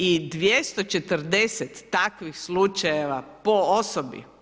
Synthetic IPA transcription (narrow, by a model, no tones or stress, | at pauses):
id̪ʋjest̪ot͡ʃet̪əɾd̪eset̪ːakʋixslut͡ʃajeʋapoosobḭ